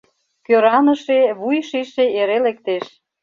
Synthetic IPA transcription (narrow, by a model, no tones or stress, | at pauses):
køɾɑnəʃeβujʃiʃeeɾelekt̪eʃ